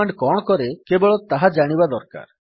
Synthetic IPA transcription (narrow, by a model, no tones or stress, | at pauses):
aɳɖkɔɳ̃ɔkɔɾekebɔɭɔt̪aɦad͡ʒaɽ̃ibad̪ɔɾka̰ɾ